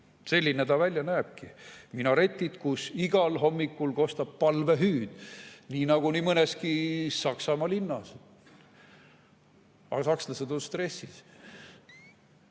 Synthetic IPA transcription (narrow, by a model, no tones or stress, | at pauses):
se̞lʲːinet̪ɑvælʲjɑnæeb̥̚kiminɑɾe̞t̪ʲːˑid̪̥kusiɡ̥ɑlɦo̞mːikːulko̞st̪ɑb̥̚pɑlve̞ɦyːd̪̥niːnɑɡ̥unimɤneskisɑksɑmɑlinːɑs | ɑ̰ɡ̥ɑsɑksnɑsed̪onst̪re̞sis